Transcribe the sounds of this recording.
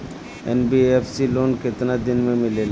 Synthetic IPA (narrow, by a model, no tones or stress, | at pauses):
ɛ̰nbiɛfsiloːnkɪt̪nad̪ɪnmẽmɪlel